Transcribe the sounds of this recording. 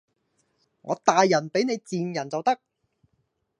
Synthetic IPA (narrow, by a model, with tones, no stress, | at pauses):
ŋɔ̰ː˨˧t̪aː˨jːɐ˨˩npe˨˥jne˨˧jt͡siː˨njɐ˨˩nt͡sɐ˨wt̪ɐ˥k̚